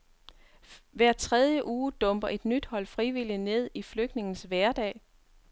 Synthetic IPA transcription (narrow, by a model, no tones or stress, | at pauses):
ʋæɐ̰t͡sʰʁɛð̞ˠjəʔuːd̥ɔ̽mb̥ɐʔe̝d̥nyd̥hɒ̽l̰fʁiʋiline̝ð̞̰ˠifløɡ̥d̥ne̝ŋn̩sʋæɐd̥ɛ̰ːɪ